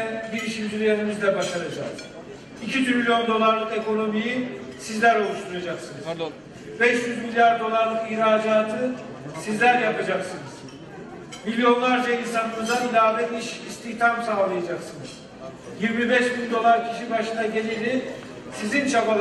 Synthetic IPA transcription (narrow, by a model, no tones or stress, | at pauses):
nbiɾiʃilʲd̪yɾjanimizd̪ɛbaʃaɾad͡ʒak | icʰit̪ʰɾilʲjo̞nd̪o̞lˠaɾlˠɯke̞ko̞no̞mijisizlʲæɾo̞lˠuʃt̪ʰuɾjad͡ʒaksɯnɯz̥ | bɛʃjyzmilʲjaɾd̪o̞lˠaɾlˠɯkihɾaːd͡ʒaːt̪ʰɯ | sizlʲæɾjapad͡ʒaksɯnɯz̥ | milʲjo̞nlˠaɾd͡ʒainsanɯmɯzanilʲaːvɛt̪iʃist̪ʰiçt̪ʰamsaːlˠajad͡ʒaksɯnɯz̥ | jiɾmibɛʃbinʲd̪o̞lˠaɾcʰiʃibaʃɯnaɟe̞lʲilʲd̪i | sizint͡ʃʰapalˠ